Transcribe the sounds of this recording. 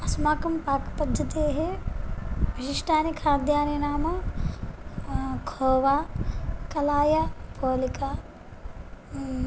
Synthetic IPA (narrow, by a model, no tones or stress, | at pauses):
ɐsmaːkɐmpaːkpɐd̪ʱːɐt̪eːɦe | pɐʃiʂʈʰaːnikʰaːɾd̪ʱjaːninaːmɐ | kʰoːʋaːkɐlaːjɐpoːlikaː